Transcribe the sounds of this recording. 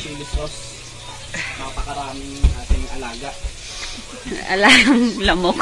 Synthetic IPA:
ilɪsos | maːpɐkɐɾaːmɪŋʔaːt̪ɪŋʔɐlaːɡɐ | ʔɐ̰laːɡɐŋlɐmok

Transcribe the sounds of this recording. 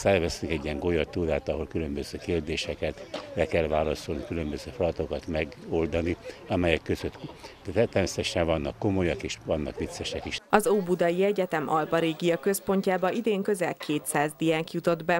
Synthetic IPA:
sɛrvɛst̪ikɛɟːijɛŋɡo̞jɒrt̪ːuːd̪aːt̪ɒɦo̞lkylømbøz̥øːkeːrd̪eːʃɛkɛt̪bɛkɛlvaːlɒsolnikylømbøzøːflɒt̪o̞kɒt̪mɛɡold̪ɒniɒmɛjɛkːøzøt̪t̪ɛt̪ːɛrmeːsɛt̪ɛʃɛɱvɒnːɒkːo̞mo̞jɒkeːʃvɒnːɒ̰kʋit̪sɛʃɛkiʃɒzoːbud̪ɒjiɛɟɛt̪ɛmʔɒlpɒɾeːɡijɒkø̞spo̞ɲcaːbɒid̪eːŋkø̞zɛlkʰeːt̪saːzd̪ijaːŋkjut̪o̞d̪bɛ

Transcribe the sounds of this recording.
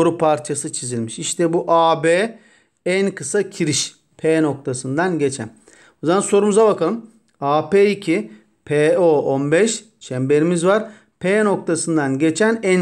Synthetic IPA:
ɾupʰaɾt͡ʃʰasɯt͡ʃʰizilʲmiʃiʃt̪ʰɛbuʔaːbeː | ænkʰɯsacʰiɾiʃ | pʰeːno̞k̚t̪ʰasɯnd̪anɟe̞t͡ʃʰæ̰n | ozamanso̞ɾumuzabakalˠɯm | aːpeicʰi | pʰeːoonbɛʃ | t͡ʃʰɛmbe̞ɾimizvaɾ | pʰeːno̞k̚t̪ʰasɯnd̪anɟe̞t͡ʃʰænæn

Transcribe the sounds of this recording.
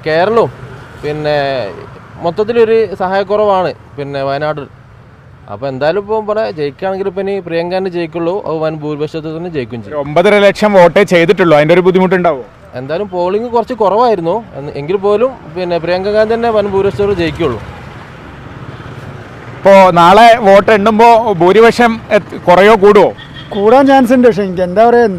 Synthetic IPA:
ke̞ːɾɐɭɐmpinːe̞ | mot̪ːɐt̪̬ːilo̞ɾusɐɦaːjɐk̬ːurɐʋaːɳɨ | pinːe̞ʋɐjnaːɽɨr | ɐ̰pːoːend̪aːjlumpoːmpɐɭet͡ɕe̞jikʲːaːɳeŋɡilupinːiprijɐŋɡaːndɨt͡ɕejikʲːuɭːoʔɐ̰ʋɐnbʱuːɾʋɐɕɐt̪ːet̪ːɐnːet͡ɕe̞jikʲːumt͡ɕeombɐðiɾelekʂɐmo̞ːʈːet͡ɕe̞jt̪̬iʈːuɭːuɐðindeoɾubud̪ʱːimuʈ̬ːuɳɖaːʋo | e̞̰nd̪aːlumpoːɭiŋːɡɨkurɐt͡ɕːɨkurɐʋaːjiɾunːueŋɡilpo̞ːlum | pinːeprijɐŋɡɐŋaːnt̪ɐnːe̞ʋɐnbʱuːɾiʋɐʂɐt̪ːɭt͡ɕejkʲːiuɭːṵ | ipːoːnaːɭeʋo̞ːʈːeɳɖumbo̞ːbʱuːɾiʋɐkʂjɐmkurɐjo̞ːkuːɽuʋo̰ː | kuːɽaːnt͡ɕaːns̬indeʂ̬eŋikʲːend̪aːʋɐren

